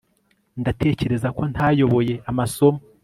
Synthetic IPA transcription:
ndatʰe̞ːce̞ɾe̞zako̞n̥tʰajo̞βo̞je̞amaso̞mo

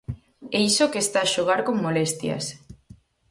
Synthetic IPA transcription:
eisokest̪aːʃoɣ̞aɾkoŋmolest̪jɐ̰s

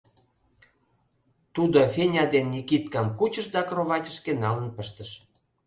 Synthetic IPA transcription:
t̪ud̪ofʲenʲɑd̪enːikit̪̚kɑmkut͡ɕə̆ʃd̪ɑkroβɑtʲə̥̆ʃkenɑlənpə̆ʃt̪ə̆ʃ

